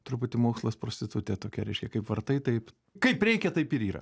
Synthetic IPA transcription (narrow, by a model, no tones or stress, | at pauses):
t̪ʊɾʊpʊt̪ʲɪmoːkslˠɐspɾoːsʲt̪ʲɪt̪ʊt̪ʲet̪oːkʲɛɾʲɛɪʃʲkʲɛkɐɪpʋɐrt̪ɐɪt̪ɐɪp | kɐɪpɾʲɛɪkʲɛt̪ɐɪpɪɾiːɾɐ̰